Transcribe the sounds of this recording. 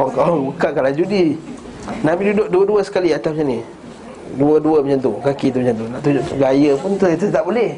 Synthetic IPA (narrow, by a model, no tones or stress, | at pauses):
ɔkabukaʔkalad͡ʒudi | nabidudoʔ̚duəduəsə̥kaliat̪apɲani | duəduəbət͡ʃant̪ukakit̪̬ubət͡ʃant̪̬unaʔt̪ud͡ʒoʔɡajəpʊnt̪ət̪ət̪aʔbolɛh